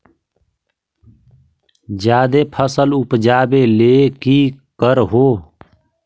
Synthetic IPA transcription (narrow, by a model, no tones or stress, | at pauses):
d͡ʒjaːd̪eːpʰəsəlʊpd͡ʒaːbeːleːkiːkəɾɦoː